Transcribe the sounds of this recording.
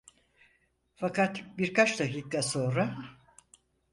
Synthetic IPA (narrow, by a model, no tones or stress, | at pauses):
fakat̪biɾkat͡ʃd̪akiːk̚t̪ʰaso̞nɾa